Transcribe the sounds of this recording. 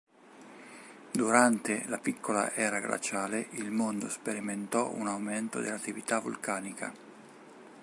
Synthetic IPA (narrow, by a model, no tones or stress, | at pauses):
d̪uɾant̪elapikʰːola̰ʔɛːɾaɡla̰t͡ʃaːleʔilmond̪ospeɾiment̪ɔṵnawment̪od̪elːat̪ːivit̪avṵlkaːnikʰa̰